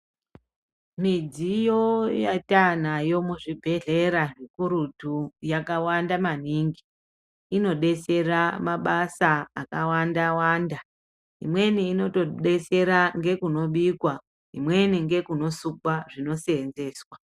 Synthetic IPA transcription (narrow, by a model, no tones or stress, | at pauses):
mid͡zijo̞jatan̤ajo̞muʐibʱe̞ɮe̞ɾaʐikuɾutujakawandamaniːŋɡiː | no̞ɗe̞se̞ramaɓasaa̰kawandawaːnda | ɦḭmwe̞niːno̞toɗe̞se̞ɾaŋɡe̞kuno̞ɓikwa | ɦḭmwe̞niŋɡe̞kuno̞sukwaʐino̞seːnze̞ːswa